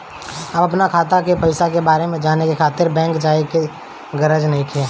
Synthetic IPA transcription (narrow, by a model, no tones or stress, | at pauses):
ɐbɐpnakʰaːt̪akepɐɪsakebaːɾemẽd͡ʒaːnekekʰaːt̪ɪɾbɛ̃ːŋkd͡ʒaːeke | ɡɐɾəd͡ʒnɐɦĩkʰeː